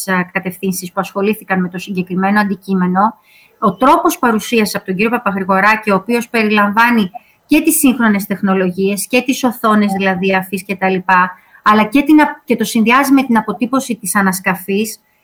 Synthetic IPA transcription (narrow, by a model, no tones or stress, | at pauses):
kɐt̪e̞fθinsispuɐsxo̞liθikɐnme̞t̪o̞siɲɟe̞kɾime̞noɐnd̪icime̞no̞ | ot̪ɾo̞po̞spɐɾusiɐseɐpo̞t̪o̞ɲɟiɾio̞pɐpɐxɾiɣo̞ɾɐcio̞ːpio̞spe̞ɾilɐɱvɐni | ce̞t̪isːiŋxɾo̞ne̞st̪e̞xno̞lo̞ʝie̞sce̞t̪iso̞θo̞ne̞zðilɐðiɐfisce̞t̪ɐlipɐ | ɐlɐce̞t̪inɐce̞t̪o̞sinðiɐzime̞t̪inɐpo̞t̪ipo̞sit̪isɐnɐskɐfis